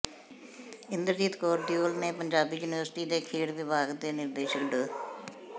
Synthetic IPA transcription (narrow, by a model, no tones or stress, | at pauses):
ɪnd̪əɾd͡ʒiːt̪koːɾd̪ijoːlneːpəɲd͡ʒaːbiːjuːnɪʋəɾsʈiːd̪eːkʰeːɽʋɪbaːɡd̪eːnɪɾd̪eːʃəkɖəː